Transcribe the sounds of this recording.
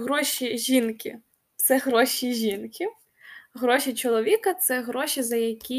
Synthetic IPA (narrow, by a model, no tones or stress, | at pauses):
ɦɾɔʃʲiʒʲinkʲɪ̰ | t̪sɛɣɾɔʃʲiʒʲinkʰʲɪ | ɦɾɔʃʲit͡ʃɔlˠɔʋʲikɐt̪sɛɦɾɔʃʲizɐjɐkʲi